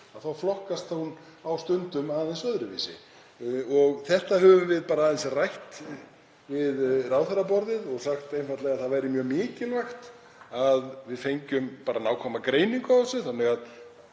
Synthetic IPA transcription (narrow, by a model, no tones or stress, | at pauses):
aðθawflɔhkast̪ahun | awst̪ʏnt̪ʏmaːðɛnsœðɾʏvḭsɪ̰ | ɔɣθɛht̪aɦœːvʏmvɪðpaːɾaːðɛsarajht̪ | vɪðraːwθɛɾapɔɾðɪðɔɣsaxt̪ejnfajt̪lɛɣaðθaðvajɾɪmjœːmɪːcɪlvaxt̪ | aðvɪðfejɲcʏmpaːɾanaːwkʰɔːmakɾeːjniŋkʏavɔsʏθanːɪɣað